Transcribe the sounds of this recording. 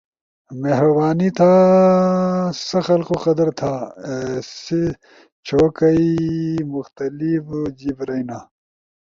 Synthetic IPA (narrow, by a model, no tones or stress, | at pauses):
meɦɾɐbaːnit̪ʰaː | sɐxɐlqoqɐd̪ɐɾt̪ʰaː | se | t͡ɕʰoːkɐimʊxt̪ɐlifd͡ʑibɾɐjnaː